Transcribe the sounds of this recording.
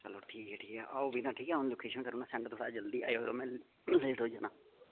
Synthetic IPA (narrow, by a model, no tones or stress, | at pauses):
t͡ʃəlːoːʈʰiːkɛːʈʰiːkɛːʔaobinãːʈʰiːkɛːɦoñːloːkeːʃənkəɾõːnãːsɛ̃ɳʈt̪oːɽaːd͡ʒəld̪iːa̰ːjoːeɾoːmɛ̃ː | lɪʈoːd͡ʒaːnãː